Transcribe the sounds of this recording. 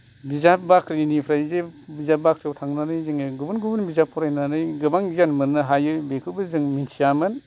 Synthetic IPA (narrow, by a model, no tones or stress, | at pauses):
bizapbakɾinipʰɾajzebizap̚bakɾiawtʰaŋnanɯjzɯŋeɡubunɡubunbizapʰːɔɾajnanɯjɡɯbaŋzanmɯnɯɦajɯbekʰɯbɯzɯŋminsijamɯn